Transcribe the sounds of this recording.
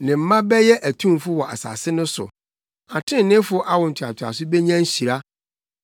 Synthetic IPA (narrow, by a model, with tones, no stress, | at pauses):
nɪ̃˨m̩˨˦mã˦bɛ˦jɛ˦ʔæ˨tʰũ˦m˦fʊ˦wɔ˨ʔa̰˨sa̰˨sɪ˦nʊ̃˦sʊ̰˨ | a˨tʰɪ̃˦n˨nɪ̃˦fʊ˦ʔa˦wɔ˨n̩˨tʰɪ˨a̰˨tʰa̰˨sʊ˦be˦ɲã˦n̩˦ɕi˨ɾa˦